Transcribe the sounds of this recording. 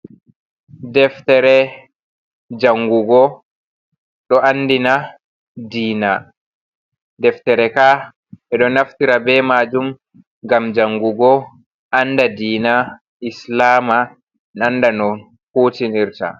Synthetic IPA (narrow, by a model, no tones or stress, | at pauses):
dɛftɛɾɛ | d͡ʒaŋɡuɡɔ | ɗɔʔanːdina | diːna | dɛftɛɾɛka | ʔɛɗɔnaftiɾabɛmad͡ʒum | ɡamd͡ʒaŋɡuɡɔ | ʔandadiːna | ʔislaːma | nanːdanɔn | hoːtiniɾta̰